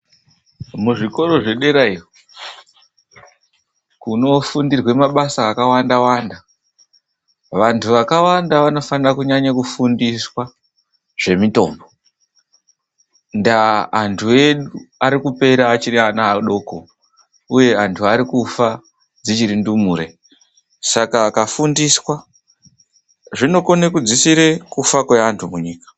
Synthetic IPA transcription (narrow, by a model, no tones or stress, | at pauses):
muʐiko̞ɾo̞ʐe̞ɗe̞ɾairo | kuno̞fundirwe̞maɓasaːkawandawanda | ʋantʰuʋakawandaʋano̞fanirakuɲaɲakufundiswa | ʐ̥e̞mito̞ːmbo | ndaːntʰue̞ɗuaɾikupe̞ɾaːt͡ʃirianaaɗo̞ːko̞̰ | uje̞antʰuaɾikufa | d͡zit͡ʃiɾindumuːɾe̞ | sakaːkafundiswa | ʐino̞ko̞nekud͡zisiɾekufakwe̞antʰumuɲiːkḁ